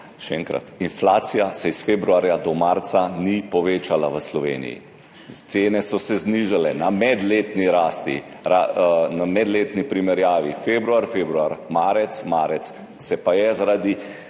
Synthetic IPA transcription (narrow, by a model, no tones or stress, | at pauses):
ʃɛɛ̰ŋkɾa̰t̪inflaːt̪sijasɛisfeːbɾuaːɾjad̪ɔmaɾt̪sanipɔʋeːt͡ʃalaʋəslɔʋḛːnḭjḭ | t̪seːnɛsɔsɛzniʒalɛ̰namɛd̪leːt̪niɾaːst̪ḭ | ɾanamɛd̪leːt̪nipɾimɛɾjaːʋifebɾuaɾfeːbɾuaɾmaːɾɛt̪smaːɾɛt̪s | sɛpajɛzaɾad̪i